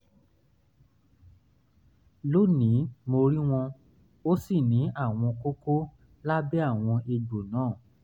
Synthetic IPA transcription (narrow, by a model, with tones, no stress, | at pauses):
lo˦˨nĩ˨˦mo˧ɾi˦w̃ɔ̃˧ | o˦si˦˨nĩ˨˦ʔa˦˨w̃ɔ̃˧ko˦ko˦ | la˦bɛ˦a˦˨w̃ɔ̃˧e˧ɡ͡bo˨nãː˨˦˨